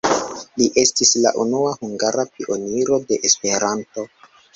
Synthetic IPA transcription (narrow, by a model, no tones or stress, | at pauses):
liʔe̞stisla̰ʔunuahuŋɡaɾapiʔo̞niɾo̞de̞ʔespe̞ɾanto̞